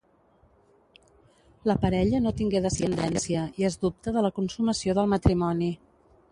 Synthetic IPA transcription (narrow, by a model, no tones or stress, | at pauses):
ləpəɾɛʎənot̪iŋɡeðəsiənd̪ɛnsiəiezðup̚t̪əðələkunsuməsioðəlˠmət̪ɾimɔni